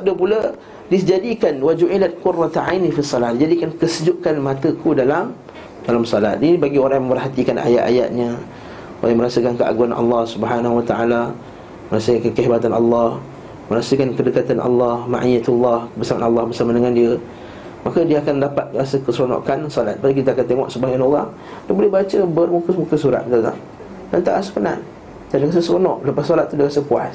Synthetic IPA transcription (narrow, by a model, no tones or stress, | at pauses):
ap̚dəpulə | did͡ʒadikanwad͡ʒuʕilat̪̚kʊrat̪ʕajnifisːɑlahdid͡ʒadikankəsəd͡ʒuʔkanmãt̪əkudalam | d̥alamsɔlat̪̚inibaɡioɾaŋjmə̃mbərhat̪ikanʔa̰ja̰ʔ̪a̰ja̰ʔ̪̚ɲə | ʔoɾajmə̃ɾasəkankəa̰ɡuanʔɑ̰lːɑhsubəɦanaɦuwat̪aʔala | məɾasəkankəɦebat̪anʔɑlːɑh | məɾasəkankədəkat̪anʔɑ̰lːɑhma̰ʔijat̪ulːɑhbərsamanɑlːɑhbərsamadəŋandiə | makədiəakandapat̪̚ɾasəkəsɾonɔ̰ʔkansolat̪̚badik̬it̪aakant̪eŋɔ̰ʔsəbaɡajnoɣaŋ | dabolɛhbat͡ʃəbərmukəmũkəsuɾa̰t̪̚kaɡa̰ŋ | dant̪aʔaʔsə̥pəna̰n | dandəɣas̬əsɾonɔʔləpassolat̪ːudiəɣasəpua̰s